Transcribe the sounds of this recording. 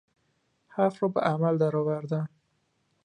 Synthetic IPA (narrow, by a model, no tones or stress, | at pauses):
hafɾɔba̰ʔamald̪aɾɔwaɾd̪an